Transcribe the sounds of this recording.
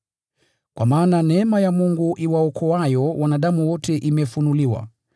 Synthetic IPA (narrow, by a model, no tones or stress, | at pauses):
kwamaːnanɛɛmajamuŋɡuʔiwaɔkʰɔajɔwanaɗamuwɔtɛʔimɛfunuliwa̰